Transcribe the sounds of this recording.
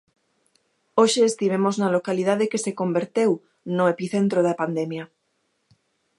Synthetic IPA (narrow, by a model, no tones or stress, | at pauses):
oʃeːst̪iβ̞emoznalokalið̞aðekesekombeɾt̪ew | noepiθent̪ɾoðapand̪emja